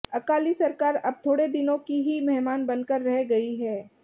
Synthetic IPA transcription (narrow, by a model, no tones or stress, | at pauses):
ɐkaːlisɐɾkaːɾɐb̚t̪ʰoːɽed̪ɪnõkiɦimɛɦmaːnbɐnkəɾːɐɦeɡɐiɦɛː